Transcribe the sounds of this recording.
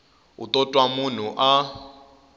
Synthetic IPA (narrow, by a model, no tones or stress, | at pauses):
ṵt̪ʼɔtʼwamun̤uʔa